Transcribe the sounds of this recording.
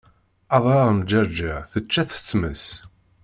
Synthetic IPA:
ɑðˤɾˤɑʁəmd͡ʒəɾˤd͡ʒaʁθət͡ʃːæθə̥t͡sːməs

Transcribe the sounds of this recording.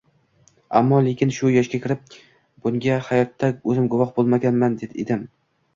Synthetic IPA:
a̰mːɒle̞kʲɪnʃʊjɒʃkʲakʲʰɪɾɪp̚ | b̥ʊŋʲahajɒt̪ʰːaɵzɪmɡʊvɒχbolˠmaɡʲanmand̪e̞d̪ḛd̪ɪm

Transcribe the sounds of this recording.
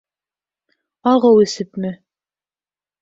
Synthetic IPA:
ɑʁɤwɘ̆sɘpmɘ

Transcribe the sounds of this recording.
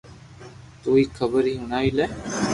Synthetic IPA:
t̪uːiːkʰəbəɾiːɦunaːilɛː

